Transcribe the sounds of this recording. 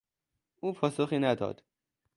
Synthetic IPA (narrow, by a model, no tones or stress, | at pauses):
ʔuːpʰɒːsoxiːnæd̪ɒ̰ːd̪̥